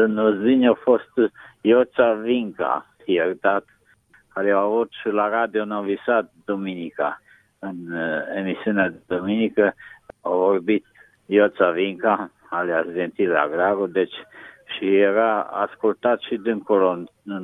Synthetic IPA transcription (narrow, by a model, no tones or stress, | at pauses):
nɔziɲɔfɔst̪jɔt͡saviŋka̰θiɛɾd̪at̪ | alɛavɔt̪ʃəlaɾad̪ɔnɔvisat̪̚d̪ɔminika | ənɛmisjɔnɛd̪ɔminikəɔvɔɾbit̪ | jɔt͡saviŋka | alɛasvɛnt̪ila̰ɡɾaɡɔd̪ɛt͡ʃʃiɛɾaa̰skult̪at̪ʃid̪əŋkuɾɔn